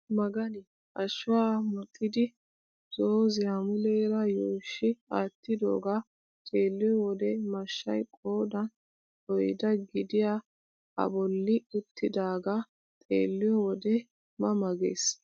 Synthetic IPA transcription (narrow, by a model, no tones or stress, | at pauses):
mɐɡɐnɪ | ʔɐʃʊwaːmɔt̪ʼːɪd̪ɪ | z̥oːzɪjamʊlɛːɾɐjoːʃːɪaːt̪ːɪd̪o̰ːɡaː | t̪ʼeːlːɪjɔwɔd̪ɛmɐʃːɐjkʼoːd̪ɐn | ɔjd̪ɐɡɪd̪ɪja | ɐ̰bɔlːɪʊt̪ʰːɪd̪aːɡa | t̪ʼḛːlːɪjɔwɔd̪ɛ | mɐmɐɡḛːs